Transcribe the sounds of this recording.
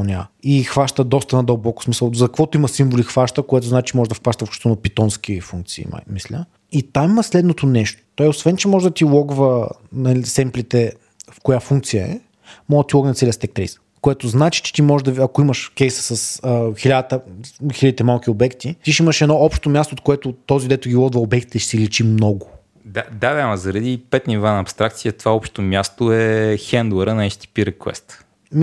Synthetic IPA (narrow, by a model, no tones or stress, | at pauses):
nʲaixvaʃt̪əd̪ɔst̪ɐnɐd̪əlˠbɔkʊ̥smisəlˠzɐkkvɔt̪ʊiməsimvolʲixvaʃt̪əkoɛt̪oznat͡ʃit͡ʃ̪imɔʒɛd̪ɐfxvaʃt̪əfkʃt̪onɐpit̪ɔnsk̟ʲifuŋk̚t̪sḭːma̰mislʲə̰ | it̪ammɐslɛd̪not̪onɛʃt̪o̥t̪ɔiosvɛnt͡ʃɛmɔʒɛd̪ɐt̪ilˠɔɡvə | nɐlisɛmplit̪ɛ | fkojafuŋk̚t̪sijəɛ̰ | mɔd̪ɐt̪ilˠɔɡnt̪sɛliəst̪ɛk̚t̪ɾɛ̰js | koɛt̪oznat͡ʃi̥t͡ʃɛ̥t̪imɔʒɛd̪ɐɐkoiməʃkʲɛjsə̥sɐsəxilʲad̪t̪əxilʲəd̪it̪ɛmalˠk̟ʲiobɛkt̪it̪iʃiməʃɛd̪nɔɔpʃt̪omʲjast̪oːt̪koɛt̪ʊt̪ɔzid̪ɛt̪ʊɡʲilˠɔɡ̪vɐobɛkt̪i̥t̪ɛʃɛsilit͡ʃimnɔɡʊ | d̪ad̪avamɐzɐɾɐd̪ipɛt̪nivanɐːpst̪ɾak̚t̪siət̪ovaɔpʃt̪t̪omʲjast̪oɛxɛnd̪uɛɾənɐɛt͡ʃt̪i̥piɾɛkwɛ̰st̪ | m